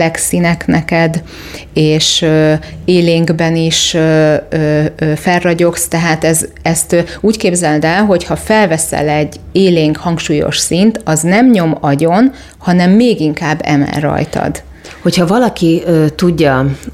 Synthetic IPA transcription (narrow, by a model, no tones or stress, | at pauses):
ɛksinɛknɛkɛd̪ | eːʃøːeːleːŋɡbɛniʃøøːøfɛrːɒɟo̞kst̪ɛɦaːt̪ɛzɛst̪uːckeːbzɛld̪ɛlɦo̞chɒfɛlvɛsɛ̰lɛɟːeːleːŋkhɒŋkʃuːjo̞̰ʃsint̪ɒznɛmɲo̞mɒɟo̞n | hɒnɛmːeːɡiŋkaːbːɛ̰mɛ̰rːɒ̰jt̪ɒ̰d̪ | ho̞chɒvɒlɒkiøːt̪uɟːɒ